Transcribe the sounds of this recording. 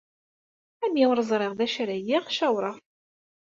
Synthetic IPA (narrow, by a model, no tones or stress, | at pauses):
æmjiwɾəzˤɾˤeʁðæʃɾæjiʁʃæwɾˤəʁ